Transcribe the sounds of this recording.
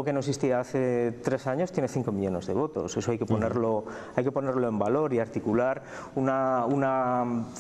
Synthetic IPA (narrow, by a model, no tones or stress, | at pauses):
okenoesist̪iaaθe̞t̪ɾe̞saɲo̞st̪je̞ne̞θiŋko̞miʎo̞ne̞zðe̞β̞o̞t̪o̞̰se̞so̞ajke̞po̞ne̞ɾlo̞ | ajke̞po̞ne̞ɾlo̞e̞mbalo̞ɾiaɾt̪ikulaɾ | unauna